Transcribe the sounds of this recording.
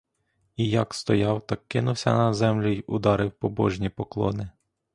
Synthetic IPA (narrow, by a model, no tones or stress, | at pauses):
ijɐkst̪ɔjɑwt̪ɑkːɪnʊwsʲɐ̰nɐzɛmlʲʊjʊd̪ɑɾɪwpɔbɔ̰ʒnʲipɔklˠɔ̰nɪ